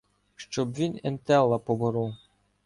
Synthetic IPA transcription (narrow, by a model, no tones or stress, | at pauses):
ʃt͡ʃɔbʋʲinɛnt̪ɛlˠːɐpɔbɔɾɔw